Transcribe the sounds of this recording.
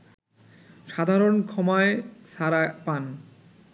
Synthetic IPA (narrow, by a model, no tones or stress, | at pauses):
ʃad̪ʱaɾonkʰɔmaeʃaɾapan